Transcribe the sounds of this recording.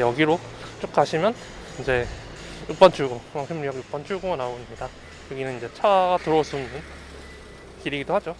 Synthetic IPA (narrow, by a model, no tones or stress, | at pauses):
jʌɡiɾot͡ɕ͈ok̚k͈aɕʰimjʌn | ind͡ʑe̞ | juk̚p͈ant͡ɕʰuɭɡomaŋʰemɲiaɡjuk̚p͈ant͡ɕʰuɭɡoanaoɲida | jʌɡinɯnind͡ʑe̞t͡ɕʰaɡatɯɾʌsʰunun | kiɾiɡidohad͡ʑo